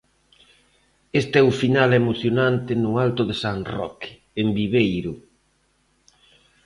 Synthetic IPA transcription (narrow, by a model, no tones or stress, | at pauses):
est̪ɛufinalɛmoθjonant̪ɪnʊalt̪ʊðesanrɔ̰k | embiβejɾʊ